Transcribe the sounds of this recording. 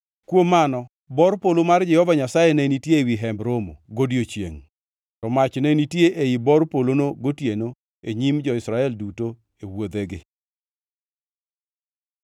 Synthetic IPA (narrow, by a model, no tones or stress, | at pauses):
kwomːanɔ | bɔɾpolomard͡ʒɛhɔvaɲasajenɛnitjewiɦɛmbɾomo̰ɡodjot͡ʃjḛŋ | tɔmat͡ʃnɛnitjeʔejibɔɾpolonoɡotjeno | eɲimd͡ʒɔɪsɾaɛlduto | ewod̪eɡɪ